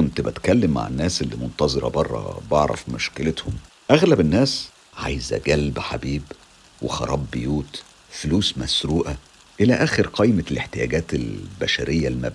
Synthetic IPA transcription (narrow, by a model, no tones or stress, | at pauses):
kont̪bet̪kælːemːa̰ʕa̰nːæːsʔelːimont̪ɑzˤeɾˤɑ̰bɑrˤːɑ̰bɑʕɾˤɑ̰fmʊʃkelet̪hom | ʔæɣlæbenːæːs | ʕa̰jzæ̰ɡælbħabiːb | wexɑɾˤɑːbːejuːt̪ | foluːsmæsɾuːʔæ | ʔelæʔæːxeɾqɑjmeleħt̪ejæ̰ːɡæːt̪elbæʃæɾʔejːælmæ̰b